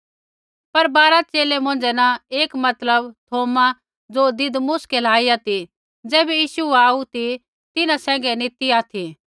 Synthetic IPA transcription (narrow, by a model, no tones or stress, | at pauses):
pɐɾbaːɾat͡ʃeːlɛmʊ̃nd͡ʒɛnãeːkmɐt̪ləbt̪ʰoːmã | d͡zoːd̪ɪd̪mʊskɛlaːijat̪i | d͡zɛːbɛjiːsuaːut̪i | t̪ɪnãsɛ̃ːŋ̆ɡɛnɪt̪iaːt̪ʰi